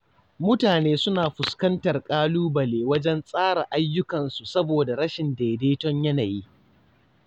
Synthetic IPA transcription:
mʊ˦taː˨neː˦sʊ˦naː˨ɸʊ˨skɐ˦ntɐ˨rkʼaː˦luː˦bɐ˨leː˨wɐ˦d͡ʒɛ˦nsʼaː˦ɽa˨ʔa˦jːʊ˦kɐ˨nsu˨sɐ˦boː˨da˨ɽɐ˦ʃɪ˨ndeː˨deː˦tɔ˦ɲjɐ˦naː˨jiː˦

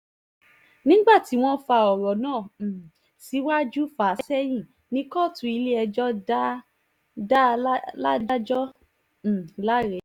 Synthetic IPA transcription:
nĩ˦ɡ͡ba˦˨ti˨˦w̃ɔ̃˦fa˧ɔ˨ɾɔ˨nãː˦˨ | si˨˦wa˦d͡ʒu˦fa˨˦sɛ˦j̃ĩ˦˨ | nĩ˨˦kɔ˦˨tũ˧˦i˧le˦ɛ˧d͡ʒɔ˦ | da˦la˦da˦d͡ʒɔ̃˦˨ | la˦ɾɛ˨˦

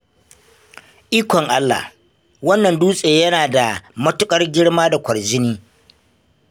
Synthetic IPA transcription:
ʔiː˦kʷɔ˨ŋʔa˦lːa̰˨h | wɐ˦nːɐ˨nduː˦sʼeː˨jɐ˦naː˨da˨mɐ˦tʊ˦kʼɐ˦rɡʲɪ˦ɽmaː˦da˨kʷɐ˨rd͡ʒɪ˦niː˦

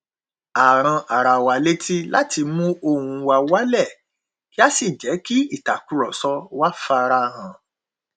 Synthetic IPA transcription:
a˨ɾ̃ã˧a˨ɾa˨wa˨le˦ti˦la̰˦ti˧mũ˦o˦˨hũ˧wa˧wa˦lɛ˦˨ | ki˦a˦si˦˨d͡ʒɛ˨˦ki˦i˦˨ta˨ku˦ɾɔ˨sɔ˧wa˦fa˧ɾa˧˦ɾã˨

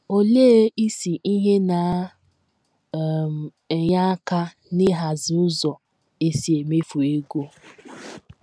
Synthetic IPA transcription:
o˨leː˦i˦si˨ʔi˦ɦe˦na˨˦˨ | ɲa˦ka˦ | nɪ˦ɦa˨zi˨ʊ˦zɔ˨ | e˨si˨e˨me˦fu˨e˦ɡo˦

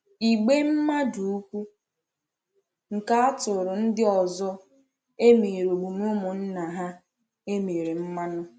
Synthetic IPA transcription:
i˨ɡ͡be˦m̩˦ma˦du˨u˦kʷu˦ | ŋ̩˨ka˦a˦tʊ˨ɾʊ˨n̩˦dɪ˦ɔ˨zɔ˦ | e˦me˨ɾo˨ɡ͡bu˨nʊ˦mʊ˨n̩˦na˨ɦa˦ | e˦me˨ɾe˨m̩˦ma˦nʊ˦

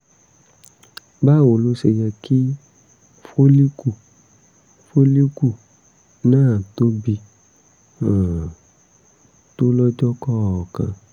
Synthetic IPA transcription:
ba˦˨wo˨lo˨˦ʃe˧jd͡ʒɛ˧ki˦ | fo˦li˦ku˦˨ | fo˦li˦ku˦˨ | nãː˦˨to˦bi˧ | ã˨ | to˦lɔ˦d͡ʒɔ˦kɔ˦˨ɔ˨kã̰˧

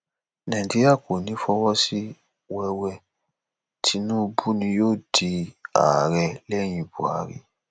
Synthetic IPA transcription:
nã˨d͡ʒe˦ɾa˦˨ko˨nĩ˨˦fɔ˧wɔ˦si˦ | wɛ˧wɛ˧ | tʰi˦nũ˦bu˦nĩ˧joː˦˨di˧a̰˨ɾɛ˧˨lɛ˦˨j̃ĩ˧˨bṵ˨a̰˨˦ɾḭ˦

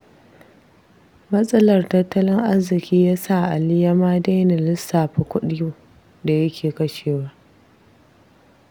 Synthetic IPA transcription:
mɐ˦sʼɐ˦lɐ˨rtɐ˦tːɐ˦lɪ˦ŋʔa˦zɪ˨kʲiː˦jaː˦sa˦˨ʔa˨lɪ˦ja˦maː˦da˦jna˨lɪ˦sːaː˨ɸɐ˨kʷʊ˦ɗɪ˦juː˦˨ | da˨jɐ˦kʲʰeː˨kɐ˦ʃeː˨waː˦

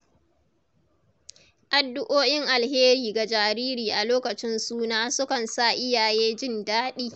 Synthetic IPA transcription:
ʔa˨dːʊ˦ʔoː˦jɪ˦ŋʔa˨lheː˦ɾiː˨ɡa˨d͡ʒaː˨ɾiː˦ɾiː˨ʔa˨loː˦kɐ˨t͡ʃɪ˦nsuː˦naː˦sʊ˦kɐ˨nsa˦˨ʔɪ˦jaː˨jeː˦d͡ʒɪ˦ndaː˦ɗiː˦

